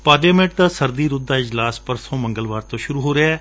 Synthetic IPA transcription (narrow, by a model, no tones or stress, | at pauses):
paːɾlaːmẽɳʈ̚t̪aːsəɾd̪iːɾʊd̪ːaːɪd͡ʒlaːspəɾsõːmə̃ŋɡəlʋaːɾt̪õːʃʊɾuːɦoːɾeaɛː